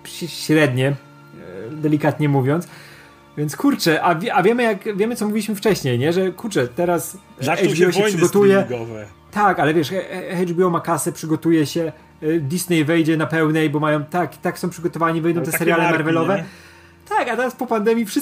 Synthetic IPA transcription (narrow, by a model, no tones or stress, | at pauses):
ɕɾɛd̪ɲɛ | d̪ɛlʲikat̪ɲɛmuvʲjɔnt̪s | vʲjɛnt̪skuɾt͡ʂɛʔavʲʔavʲjɛmɘjakvʲjɛmɘt̪ɔmuvʲilʲiɕmɘft͡ʂɛɕɲejɲɛʐɛkuɾt͡ʂɛt̪ɛɾas | ɛbɔɕɛpʂɨɡɔt̪ujɛɡɔvɛ | t̪akalɛvʲjɛʂxɛd͡ʒbʲiɔmakasɛpʂɘɡɔt̪ujɛɕɛ | d̪isnɛjvɛjd͡ʑɛnapɛwnɛjbɔmajɔ̃w̃t̪aki̥t̪aksɔ̃w̃pʂɘɡɔt̪ɔvaɲivɛjd̪ɔ̃wt̪ɛssɛɾjjalɛmaɾvɛlɔvɛ | t̪akat̪ɛɾaspɔpand̪ɛmʲjifʂɨ